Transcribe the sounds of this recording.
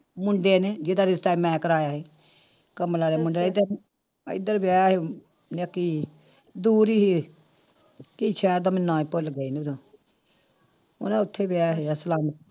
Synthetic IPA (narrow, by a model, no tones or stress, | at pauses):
mʊɳɖeːned͡ʒed̪aːɾɪst̪aːimɛ̃ːkəɾaːjaːɦeː | kəmlaːɾeːmʊɳɖeːɪd̪ | ɪd̪əɾbaːɦe | nəkiː | d̪uːɾiːɦi | kiːt͡ʃʰɛːɾd̪aːmɪnːãːipʊlɡəiːnd̪a | ʊ̰nãːʊt̪ʰːeːbaːɦeːasəlaːm